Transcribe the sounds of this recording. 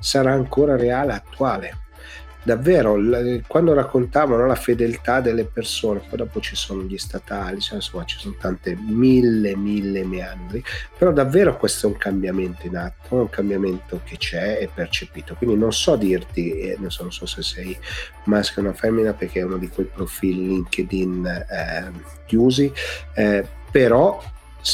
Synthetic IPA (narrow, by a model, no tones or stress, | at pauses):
saɾaːŋkoːɾaɾeaːleat̪ːuaːle | d̪avːeːɾokwand̪oɾakːont̪aːvanɔlafed̪elt̪ad̪elːepersoːnepɔjd̪ɔːpot͡ʃisoːnoʎist̪at̪aːlisoansomːat͡ʃi̥sonot̪ant̪emilːemilːemeand̪ɾipeɾɔd̪avːeːɾokwest̪ouŋkambjament̪oinat̪ːouŋkambjament̪ok̟et͡ʃɛɛpːert͡ʃepiːt̪okwind̪inonsɔad̪ːirt̪ienonsɔnonsɔsesɛj | maskunafɛmːinaperk̟eɛunod̪ikwejpɾofililiŋked̪in | kjuːzi | peɾɔ | s